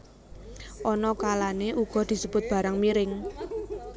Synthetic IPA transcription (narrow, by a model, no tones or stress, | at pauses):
ʔɔnɔkalaneʔuɡ̥ɔ̤d̪̥i̤səb̥ʊt̪̚b̥ä̤ɾaŋmiɾɪŋ